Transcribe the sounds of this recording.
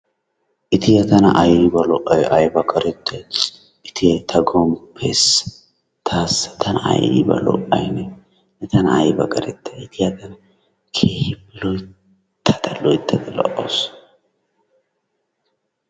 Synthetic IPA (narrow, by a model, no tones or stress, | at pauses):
ʔɪt̪ɪjɐt̪ɐnɐ̰ʔɐjbɐlɔʔːɐjʔɐjbɐkʼɐɾɛt̪ʰːɐj | ɪt̪ɪjɐt̪ʰɐɡɔmpʰːesɐ̥ | t̪ʰaːsɐ̥t̪ʰɐnɐɐ̰jɪ̰bɐ̰lɔ̰ʔɐjnɛ | nɛt̪ɐnɐɐjbɐ̰kʼɐɾɛt̪ːɐɪt̪ʰɪjɐt̪ɐnɐ | kʰe̞ːhɪbːɪlɔj | t̪ʰːɐ̥t̪ɐlɔjt̪ʰːɐd̪ɛlɔ̰ʔo̰s